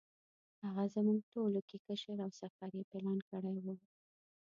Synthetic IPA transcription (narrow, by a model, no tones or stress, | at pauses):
haɣazəmuɡʈolokekəʃəɾawsaft̪ɑɾjepelɑnkəɽajwu